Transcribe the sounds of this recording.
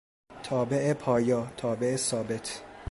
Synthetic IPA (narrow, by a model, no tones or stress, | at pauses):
t̪ʰɒːbeʔepʰɒːjɒːt̪ʰɒːbe̞esɒːbet̪ʰ